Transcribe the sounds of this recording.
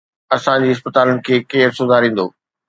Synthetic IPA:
ɐsãd͡ʑiːɪs̬pət̪aːlənɪ̆kʰeːkeːɾsʊzʱaɾĩːn̆d̪o̰ː

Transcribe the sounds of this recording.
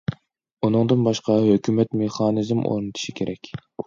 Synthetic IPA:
unɨŋd̪ɨnbɑʃqɑhøkʲymɛt̪meχɑːnizmʔo̰ɾnɨt̪ʰu̥ʃikʲʰeɾʔɛkʲ

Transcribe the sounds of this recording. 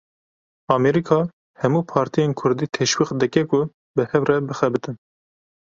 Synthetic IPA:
ɑːmɛɾikʰɑː | hɛmuːpʰɑːɾt̪ijeːnkʰʊɾd̪iːt̪ʰeʃwiːx̚d̪ɨkɛkʊ | bɨhɛvrɛbɨxɛbɨt̪ɨn

